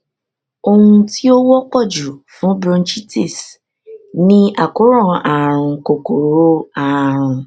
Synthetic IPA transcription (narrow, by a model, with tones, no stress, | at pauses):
o˧hũ˧ti˦o˦wɔ˦k͡pɔ˦˨d͡ʒu˨fũ˨˦bɾɔ̃˧n˦t͡ʃi˦ti˦˨s | nĩ˦a˨ku˨˦ɾɔ̃˦˨a˨ɾ̃ũ˧ko˨ko˨ɾo˦a˦˨ɾ̃ũ˧